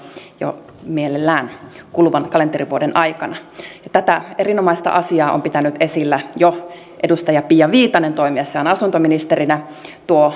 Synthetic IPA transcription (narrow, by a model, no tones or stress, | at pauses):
jo̰ | mielelːæːnkulʋɑnkɑleneriʋuodenʔɑjkɑnɑjɑt̪æt̪æeɾinomɑist̪ɑ̰ʔɑsiɑːʔo̰mpit̪ænyt̪esilːæjo | ʔedust̪ɑjɑpijɑʋiːt̪ɑnent̪oimiɑseonɑsunt̪ominist̪erinæ | t̪uo